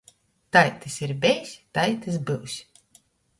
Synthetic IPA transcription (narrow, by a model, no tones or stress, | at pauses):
t̪ajt̪ɨsiɾbʲɛjsʲt̪ajt̪ɨs̬bɨwsʲ